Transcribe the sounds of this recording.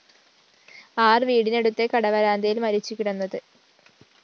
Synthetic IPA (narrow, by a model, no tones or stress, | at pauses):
aːrʋiːɽine̞ɽut̪ːe̞kɐɽɐʋɐɾaːnd̪ɐjilmɐɾit͡ɕːikʲːiɽɐnːɐðɨ